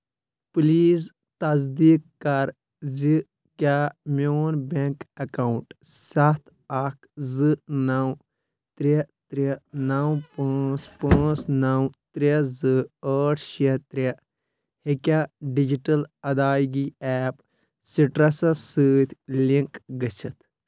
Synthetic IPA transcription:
pliːz | t̪ɐzd̪iːkːɐɾ | zi | kʲamoːnbeŋkɐkawuɳʈsɐt̪ʰ | ɐkʰzɨnɐw | t̪ɾet̪ɾenɐwpaːt͡spãːt͡snɐwt̪ɾezɨəːʈʰʃet̪ɾʲe | hikʲaɖid͡ʒiʈɐlɐd̪aːjɡiɛːp | siʈɾɐsɐsɨːt̪ʰʲliŋkɡɐsɐt̪ʰ

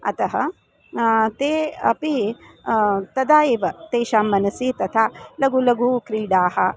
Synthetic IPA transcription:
ɐ̰t̪ɐɦɐ | t̪eːɐ̰pi | t̪ɐd̪aːeːʋɐt̪eːʃaːmːɐnɐsiːt̪ɐt̪ʰaːlɐɡulɐɡukɾiːɖaːhɐ̰

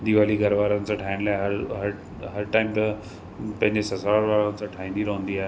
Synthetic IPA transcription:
d̪iʋaːliɡʱɐɾʋaːɾənɪ̆sãːʈʰaːɪnlaːeɦɐɾɦɐɾ | ɦɐɾʈaːɪmt̪ɐ | pɐ̃ɦɪ̃ɲd͡ʑesɐsaːɾʋaːɭənɪ̆sãʈʰaːɦĩːnd̪iɾɐɦũnd̪iaːɦe

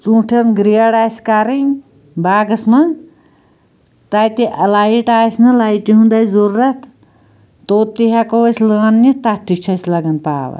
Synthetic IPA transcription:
t͡sũːʈʰɐnɡɾijɐɽaːsʲkaɾi | baːɡɐsmɐ | t̪at̪eʔɐlaːjiʈaːsnɐlajʈiɦũnd̪aːjzoɾuɾɐt̪ | t̪oːt̪iɦakoɐslɐnːɐt̪at̪ikt͡ʃʰɐslɐɡɐnpa̰ːʋɐ̰

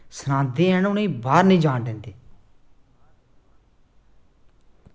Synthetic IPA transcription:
sənãːnd̪iːɛːnʊnĩːbaːɾnĩːd͡ʒãːɳɖ̪ẽːnd̪iː

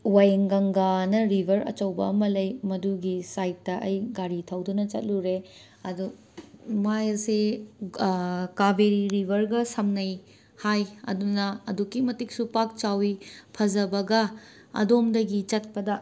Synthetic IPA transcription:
wajŋɡɐŋɡanɐɾibʱɐɾɐ̰t͡ʃɐwbɐ̰ɐmɐlɐjmɐduɡisajt̚ːɐʔɐjɡaɾitʰɐwdunɐt͡ʃɐ̰t̚luɾe | ɐdu | majɐse | kabeɾiɾibʱɐɾɡɐsɐmnɐj | hajɐ̰dunɐːdukːimɐtik̚supak̚t͡ʃawipʰɐzɐbɐɡɐ | ɐ̰domdɐɡit͡ʃɐt̚pɐdɐ

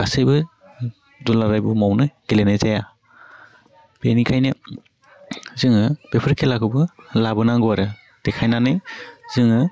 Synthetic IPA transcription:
ɡasejbɯ | dulaɾajbumawnɯɡ̥ilenajzaja | b̥enikʰajnɯ | zɯŋɯb̥epʰɯɾkʰelakʰɯbɯlabɯnaŋɡɔaɾɯ | d̥ekʰajnanɯjz̥ɯŋɯ

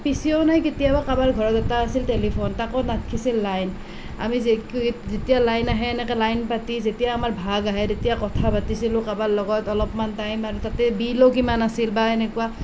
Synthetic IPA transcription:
pisijɔʊnajketijabakabaɹɡʱɔɹɔzɛtaːsiltelipʰontakɔnat̚kʰisilːajn | a̰mizzetijalajnaɦɛːnɛkɛlajnpatizetijaːmaɹbʱaɡaɦɛdetijakɔtʰabatisilʊ̃kaballɔɡɔtɔlɔpmantajmaɹutatɛbilɔkimanasilbaenɛkua

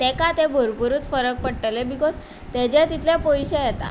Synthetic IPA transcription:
t̪ekat̪ebʱoɾpuɾut͡sfəɾək̚pəɽʈelebikod͡z | t̪ed͡ʑɛt̪it̪lepojɕejɛt̪a̰

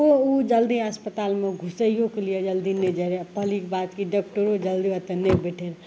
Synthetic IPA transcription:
oud͡ʒəld̪iəspət̪almeɡʱusəjjokelijed͡ʒəld̪ined͡ʒaɾepəlikbad̪kiɖɔk̚ʈoɾod͡ʒəld̪iət̪ənebeʈʰeɾ

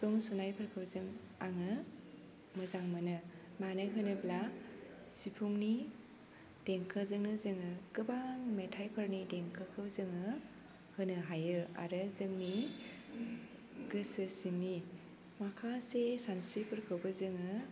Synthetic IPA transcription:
pʰuŋsunajpʰɯɾkʰɯbzɯŋ | aŋɯ | mɯzaŋmɯnɯ | manɯɦɯnɯbla | sipʰuŋni | d̥eŋkʰɯzɯŋnɯzɯŋɯkɯbaŋmetʰajpʰəɾnideŋkʰɯkʰɯbzɯŋɯ | hɯnɯɦajɯa̰ɾɯzɯŋni | ɡɯsɯsini | makʰasesansipʰɯɾkʰɯwbɯzɯŋɯ

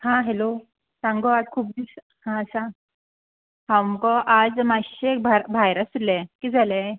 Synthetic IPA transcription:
hãɦelo | sãŋɡoad͡zkʰuːp̚d̪is | hãsã | hamkɔʔad͡zmaɕekbʱabʱajɾasudlakid͡zala

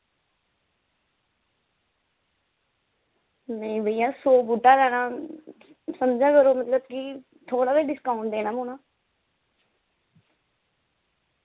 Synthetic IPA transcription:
nẽĩbəijãːsoːbuʈːaːɾɛːnãː | səmd͡ʒãːkəɾoːmət̪ləb̚kɪ | t̪ʰoːɽaːbeɖɪskaːʊ̃ɳʈd̪eːnãːmʊːnaː

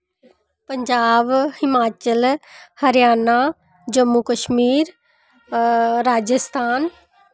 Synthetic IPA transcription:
pəɲd͡ʒaːbhɪmaːt͡ʃəlhɐɾjaːna | d͡ʒəmːukəʃmiːɾ | ɾaːd͡ʒəst̪ʰaːn

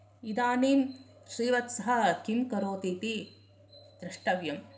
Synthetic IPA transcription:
id̪aːniːm | ʃɾiːʋɐt̪sɐɦɐ̆kimkɐɾoːt̪iːt̪i | d̪̥ɾiʂʈɐʋjɐm

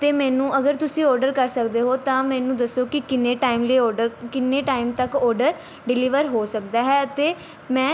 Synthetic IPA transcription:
t̪eːmɛːnũːʔəɡəɾt̪ʊsĩːɔːɾɖəɾkəɾsəkd̪eːɦoːt̪ãːmɛ̃ːnũːd̪əsːoːkɪkɪnːeːʈaːimleːɔːɾɖəɾkɪnːeːʈaːɪmt̪əkɔːɾɖəɾ | ɖɪliːʋəɾɦoːsəkd̪aːɦɛːət̪eː | mɛ̃ː

